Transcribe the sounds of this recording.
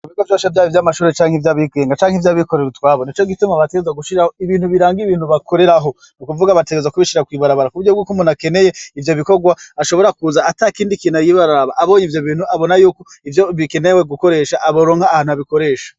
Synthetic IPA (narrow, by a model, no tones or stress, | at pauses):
uβiɡovjoːʃavjaːjivjamaʃuːɾet͡ʃaːŋeivjaβiɡe̞ːŋɡat͡ʃaːŋhivjaːβikoɾeitwaːβonit͡ʃo̞ɡitumaβateɡeezwaɡuʃiɾahoiβiːnhuβiɾaːŋɡiβiːnhuβakʰo̞ɾe̞ɾaɦo̞ | nukuvuɡaβate̞ɡezwakuβiʃiɾakwiβaɾaβaɾakuβuɾɟobɡuːkumunake̞ne̞je̞ivjoβiko̞ɡwaaʃo̞βo̞ɾakuzaːtakiːndikiːnajiβaɾaɾaβaʔːβo̞ːɲivjo̞βiːnhuaβo̞najuːko | ivjo̞βike̞neweɡuko̞ɾe̞ːʃaʔaβoɾoːŋhaːhaːnhuaβiko̞ɾe̞ːʃḁ